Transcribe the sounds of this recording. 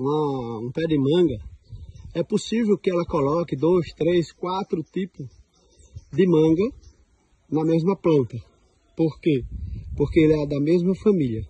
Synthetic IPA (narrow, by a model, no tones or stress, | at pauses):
ũɐũpɛd̪ɪmɐ̃ɡɐ | ɛposivewkɪɛlɐkɔlɔkɪd̪ojst̪ɾeskwat̪ɾʊt̪ipʊ | d̪ɪmɐ̃ɡɐ | nɐmezmɐplɐ̃nt̪ɐ | poɾkepoɾkeelɛd̪ɐmezmɐfɐ̃milʲɐ